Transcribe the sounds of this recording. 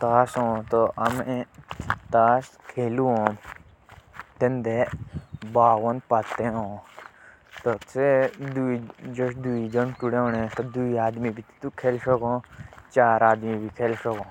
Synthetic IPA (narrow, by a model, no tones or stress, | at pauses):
t̪aːsõːt̪oɐmẽt̪aːskʰeːluõː | t̪end̪e | baːwənpat̪eɦõː | t̪oed̪ud͡ʒoʃd̪uid͡ʒənʈuɽeõnẽt̪od̪uiaːd̪mibit̪t̪ukʰeːlʃoɡõːt͡ʃaːɾaːd̪mibʱikʰeːlsokõː